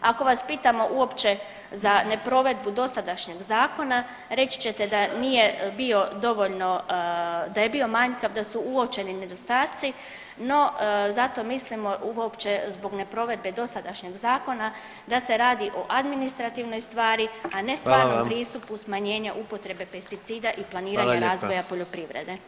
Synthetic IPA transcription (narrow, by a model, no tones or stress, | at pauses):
ako̞ʋaspiːt̪amo̞ʔuo̞pt͡ʃe̞ | zane̞pɾo̞ʋe̞d̪̚bud̪o̞sad̪aʃɲeɡzaːko̞na | ɾe̞t͡ɕi̥t͡ɕet̪ed̪anije̞bio̞d̪o̞ʋo̞ʎno̞ | d̪aje̞bio̞maɲkaʋd̪asuuo̞t͡ʃe̞nine̞d̪o̞st̪aːt̪si | no̞zat̪o̞mislimo̞ʔuo̞pt͡ʃe̞zbo̞ɡne̞pɾo̞ʋe̞d̪̚be̞d̪o̞sad̪aʃɲe̞ɡzaːko̞na | d̪ase̞ɾaːd̪iʔo̞ʔad̪minist̪ɾat̪iːʋno̞jst̪ʋaːɾiane̞st̪aːɾnompɾiːst̪upusmaɲe̞ːɲaʔupo̞t̪ɾe̞be̞pe̞st̪it̪siːd̪aʔiplˠaniːɾaɲaɾaːzojapo̞ʎo̞pɾiʋɾḛd̪e̞